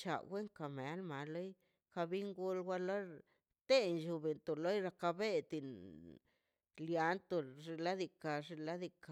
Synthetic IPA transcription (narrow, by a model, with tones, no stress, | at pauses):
t͡ʃa̰˨ɡe˦ŋka˨me˨a˦lma˨lo˦j | ka˧bi˦ŋɡu˧lɡʷa˦lo˦ | t̪e˦nʃu˧be˨nt̪o˨lo˦jɾa˧ka˧be˦t̪i˨n | lja˧˦nt̪o˨ʐi˧la˦d̪i˧ka˨ʐi˧la˦d̪i˧ka˨